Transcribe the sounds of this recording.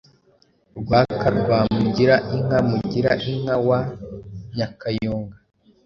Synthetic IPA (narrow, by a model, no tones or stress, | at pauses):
ɾɡwaːkaɾɡwaːmuɟiɾaʔiŋ̥amuɟiɾaʔiŋ̥awa | ɲakajoːŋɡa